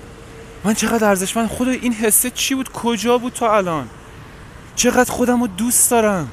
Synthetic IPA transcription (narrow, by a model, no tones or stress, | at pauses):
mænt͡ʃʰe̞ɣæːd̪æɾzeʃmæxod̪ɒːjʔinɦesːet͡ʃʰibuːd̪̚kʰod͡ʒɒːbuːd̪̚t̪ʰɒælɒːn | t͡ʃʰe̞ɣæd̪xo̞d̪æmod̪uːsd̪̥ɒːɾæm